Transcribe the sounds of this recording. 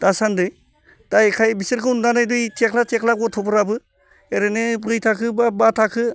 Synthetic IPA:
d̥asandɯj | d̥ajkʰajbisiɾkɯwnnanajdujtʰekʰlatʰekʰlaɡɔtʰɔbɯɾabɯ | eɾenɯbɾɯjtʰakʰɯbabatʰakʰɯ

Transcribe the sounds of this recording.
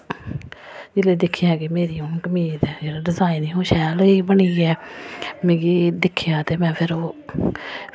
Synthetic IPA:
d͡ʒɪleːd̪ɪkʰːjãːkɪmeːɾiːõkəmiːt̪d͡ʒeːɾaɖɪzaːɪnĩːɦoːʃɛːləiːbəɳiːɛːmẽːɡiːd̪ɪkʰːjãːt̪eːmɛ̃ːpʰɪɾoː

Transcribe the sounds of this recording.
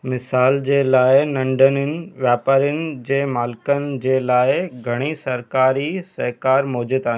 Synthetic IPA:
mɪsaːld͡ʑeːlaːɪnɐ̃ɳɖənɪnɪ̆ʋjaːpaːɾjʊnɪ̆d͡ʑeːmaːlɪkənɪ̆d͡ʑeːlaːɪɡʱɐɽ̃isɐɾkaːɾisɐɦkaːɾmoːd͡ʑɪd̪aːɦĩ

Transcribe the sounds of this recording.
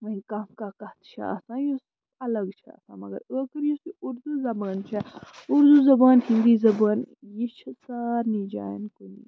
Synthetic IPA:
ʋɐ̃ĩkaːmkakɐt̪t͡ʃʰa̰ɐ̰sãːjos | ɐlɐɡt͡ʃʰɐ̰ɐ̰sã̰ːmɐɡɐ̰ɾəːkəɾjusiʔuɾd̪uzɐbaːnt͡ʃʰɛuɾd̪uzɐbaːnhĩnd̪iːzɐbaːnjit͡ʃʰɐsaːɾniːd͡ʒa̰ːnkunḭː

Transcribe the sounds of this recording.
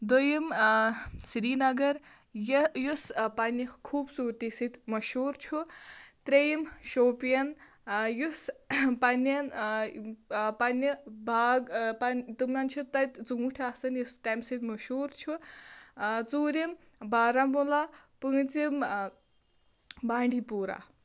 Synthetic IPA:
d̪ojim | sɾiːnɐɡɐɾ | jjuspɐnikʰuːbsuːɾt̪isɨt̪ʲmɐʃuːɾt͡ʃʰut̪ɾejimʃoːpijɐn | juspɐnɐn | pɐnːibʱaːɡpɐnt̪ɨmʲant͡ʃʰut̪ɐt̪ʲt͡suŋuʈʰasɨnjust̪ɐmsɨt̪mɐʃuːɾt͡ʃʰu | t͡suːɾim | baːɾɐmula | pɨːt͡sim | baːɳɖʱipuːɾa̰

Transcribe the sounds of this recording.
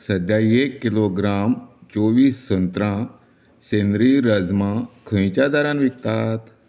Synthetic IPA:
səd̪jaiekːiloɡɾamt͡soʋiːsːə̃nt̪ɾã | senɾiɾəd͡zmãkʰə̃j̃t͡ɕad̪aɾãnʋikt̪at̪

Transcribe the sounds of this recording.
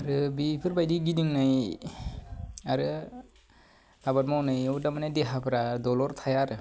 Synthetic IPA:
aɾɯbipʰɯɾbajdiɡidiŋnaj | aɾɯ | abat̚mawnɯjɔwdamanadeɦapʰɯɾadɔlɔɾt̪ʰajaɾɯ

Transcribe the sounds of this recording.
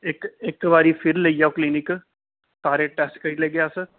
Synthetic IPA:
ɪkɪkʋaːɾiːpʰɪɾləijaːokliːnɪk | saːɾeːʈɛːsʈkəɾileːɡjaːsə

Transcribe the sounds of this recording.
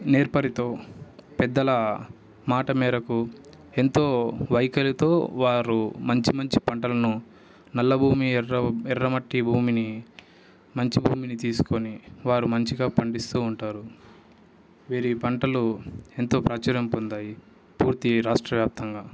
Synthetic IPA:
neːɾpɐɾit̪o̞ːpɛd̪ːɐlɐ | maːʈɐmɛːɾɐku | e̞nt̪o̞ːʋɐjkɐlit̪o̞ːʋaːɾumɐɲt͡ʃimɐɲt͡ʃi̥pɐɳʈɐlɐnu | nɐlːɐbʱuːmiɐɛrːɐmɐʈːibʱuːmini | mɐɲt͡ʃibʱuːminit̪iːsu̥ko̞niʋaːɾumɐɲt͡ʃiɡaːpɐɳɖist̪uːɳʈaːɾu | ʋiːɾipɐɳʈɐlue̞nt̪o̞ːpɾɐt͡ʃɐɾɐmpond̪aːji | puːɾt̪iɾaːʂʈɾɐʋjaːp̚t̪ɐŋɡaː

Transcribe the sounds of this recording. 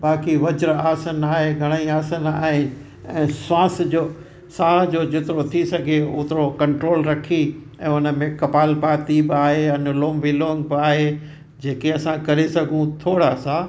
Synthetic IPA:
baːkiʋɐd͡ʑɾaːsənaːɦeɡʱɐɽ̃aiaːsənaːɦɪnɪ̆ | ɛ̃ːswaːsd͡ʑoː | saːd͡ʑoːd͡ʑɪt̪ɪɾot̪ʰisɐɡʱeʊt̪ɪɾokɐ̃ɳʈɾoːlɾɐkʰi | ɛ̃ːʊnə̆mẽkɐpaːlbaːt̪ibɪaːɦeɐnʊloːmʋɪloːŋɡ̚bɪaːɦe | d͡ʑeːkeɐsãkɐɾesɐɡʱũt̪ʰoːɽasaː

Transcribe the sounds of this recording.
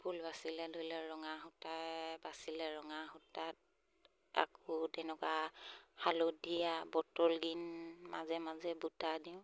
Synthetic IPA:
bʰʱulbasilɛdʱolɛɹɔŋaɦutajbasilɛɹɔŋaxutat̚ | a̰kɔtɛnɛkahalodijabɔtɔlɡinmazɛmazɛbutadiʊ̃

